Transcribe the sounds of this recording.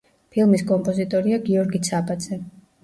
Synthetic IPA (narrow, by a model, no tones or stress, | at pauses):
pʰilˠmiskʼɔmpʼɔzit̪ʼɔɾiaɡiɔɾɡit̪sʰapʼad̪z̥ɛ